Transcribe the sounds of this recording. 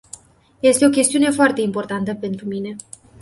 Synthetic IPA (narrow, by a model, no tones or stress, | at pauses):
je̞st̪e̞o̞kʲe̞st̪iune̞foart̪e̞impo̞rt̪ant̪əpe̞nt̪ɾumine̞